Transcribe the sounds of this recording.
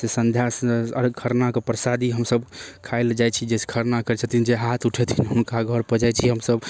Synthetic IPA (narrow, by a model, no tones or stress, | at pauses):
sesə̃nd̪ʱjasəɾɡkʰəɾnakepɾəsad̪ʱiɦəmsəbkʰaɪld͡ʒajt͡ʃʰid͡ʒeskʰəɾnakəɾɛt͡ʃʰət̪ind͡ʒeɦat̪ʰuʈʰɛt̪ʰinɦunkaɡʱəɾpəd͡ʒajt͡ʃʰiɦəmsəb